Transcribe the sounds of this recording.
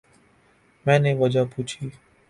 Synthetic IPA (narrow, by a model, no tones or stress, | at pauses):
mɛ̃ːneːʋəd͡ʒaːpuːt͡ʃʰiː